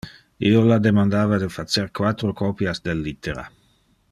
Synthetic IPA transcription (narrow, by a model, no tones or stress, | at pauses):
iolad̪emãnd̪aːvad̪əfat͡seɾkwat̪ɾokʰɔpjasd̪elːit̪eɾa̰